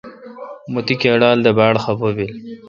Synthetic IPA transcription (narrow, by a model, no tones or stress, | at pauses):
mut̪ikeɽɑːld̪əbɑːɽxabobil